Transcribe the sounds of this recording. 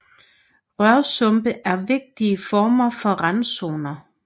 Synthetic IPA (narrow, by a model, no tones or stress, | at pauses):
ʁɶɐsɔ̽mb̥əʔæɐʋe̝ɡ̥̚d̥iəfɒːmɐfɒ̽ʁɑnso̝ːnɐ